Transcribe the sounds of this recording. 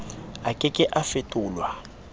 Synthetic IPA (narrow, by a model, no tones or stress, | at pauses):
akʼɪkʼɪʔafɪtʼʊːlwa